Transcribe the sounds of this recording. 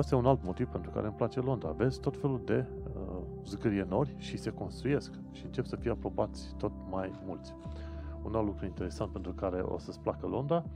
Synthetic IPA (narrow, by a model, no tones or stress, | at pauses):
est̪jeunalt̪mo̞t̪iv̥pe̞nt̪ɾuka̰ɾeɨmplat͡ʃe̞lo̞nd̪ɾa̰ve̞zt̪o̞t̪fe̞luld̪e̞ | zɡɾieno̞rʲʃise̞ko̞nst̪ɾuje̞sk | ʃiɨnt͡ʃe̞psəfijeapɾo̞bat̪sʲt̪o̞t̪̚majmult̪sʲunalt̪lukɾuint̪e̞ɾe̞sant̪pe̞nt̪ɾukaɾe̞̰ʔo̰səsplakəlo̞nd̪a